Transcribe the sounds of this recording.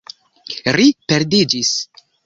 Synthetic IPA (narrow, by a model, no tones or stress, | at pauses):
ɾipeɾdid͡ʒis